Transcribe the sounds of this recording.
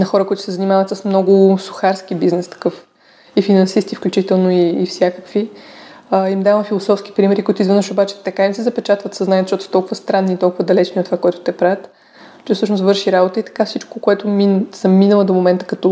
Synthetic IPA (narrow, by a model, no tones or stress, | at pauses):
nɐxɔɾəkoit̪ʊ̥sɛzɐnimavət̪səsmnɔɡʊsʊ̥xaɾskibiznɛst̪ɐ̥kɤf | ifinɐnsist̪ifklʲut͡ʃit̪ɛlˠnoiːfsʲjakəkvi | əimd̪avəfilˠosɔfsk̟i̥pɾimɛɾikoʊit̪ʊizvɛnəʃobat͡ʃɛ̥t̪ɐkaimsɛzɐpɛt͡ʃat̪vət̪sɐznajət̪ʃt̪ɔt̪osət̪ɔlˠkʊvəst̪ɾanːiːt̪ɔlˠkʊvəd̪ɐlɛt͡ʃniot̪ːovakoɛt̪ʊ̥t̪ɛpɾavʲət̪ | ɛsɤʃnost̪vɤɾʃiɾabot̪əit̪ɐ̥kafsit͡ʃkokoɛt̪ʊmnsɐmmːinəlˠəd̪omomɛnt̪ə̥kɐt̪ɔ